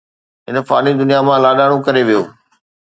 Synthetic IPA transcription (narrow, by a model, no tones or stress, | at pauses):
ɦɪnə̆faːnid̪ʊnijamãlaːɗaːɽ̃okɐɾeʋijo̰ː